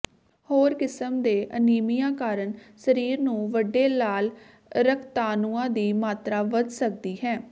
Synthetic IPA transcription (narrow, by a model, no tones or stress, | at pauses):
hoːɾkɪsəmd̪eːʔəniːmijãːkaːɾəɳsəɾiːɾnũːʋəɖːeːlaːl | ɾəkʰt̪aːnuːãːd̪iːmaːt̪ɾaːʋəd͡ʒsək̚d̪iːɦɛː